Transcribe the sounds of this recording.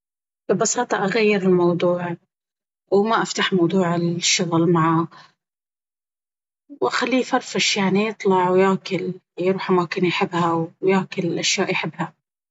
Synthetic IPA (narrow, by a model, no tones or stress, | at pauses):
b̥ɪbɑsɑːt̪ˤɑʔaɣajːɪɾɪlmɑwd̪ˤuːʕ | wmaʔaft̪aħmɑwd̪ˤuːʕɪlʃːʊɣlmaʕa | wʔaxalːiːfɑɾˤfaʃjaʕnijɨt̪ˤlɑʕwjaːkɪl | jɾuːħʔamaːkɪnjħɪbːhawjaːkɪlɪlʔaʃjaːʔjħɪbːha